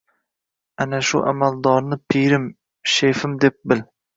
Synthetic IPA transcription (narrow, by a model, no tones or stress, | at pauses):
anaʃʊ̰ʔa̰mald̪ɒɾnɪpʰiɾɪm | ʃefɪmd̪e̞p̚bɪl